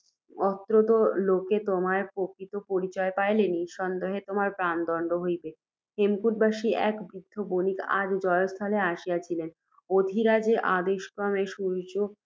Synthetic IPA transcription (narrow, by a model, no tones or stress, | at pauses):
ɔt̪ːɾot̪oloket̪omaɾpokɾit̪opoɾit͡ɕɔepajleniʃɔnd̪eɦet̪omaɾpɾand̪ɔɳɖoɦojbe | hemkuʈ̚baʃiɛ̰kbɾid̪ʱːobonika̰d̪d͡ʑɔeost̪ʰaleaʃijat͡ɕʰilen | od̪ʱiɾad͡ʑeʔad̪eʃkɾɔmeʃuɾt͡ɕo